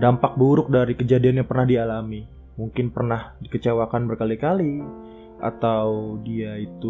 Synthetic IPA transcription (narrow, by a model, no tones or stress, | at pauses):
dampak̚buɾʊk̚daɾikəd͡ʒadianjaŋpərnahdialami | muŋkɪnpərnahdikət͡ʃewakanbərkalikali | ʔa̰t̪awdiait̪u